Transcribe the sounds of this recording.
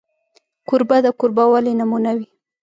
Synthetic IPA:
kʊɾbad̪əkʊɾbawalenamunawi

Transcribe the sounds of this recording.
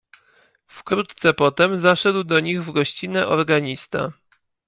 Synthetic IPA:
fkɾut̪t̪sɛpɔt̪ɛmzaʂɛd̪wd̪ɔɲiɣvɡɔɕt͡ɕinɛʔɔɾɡaɲist̪a̰

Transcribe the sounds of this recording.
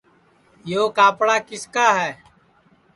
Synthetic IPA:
joːkaːpɽaːkɪskaːɦɛː

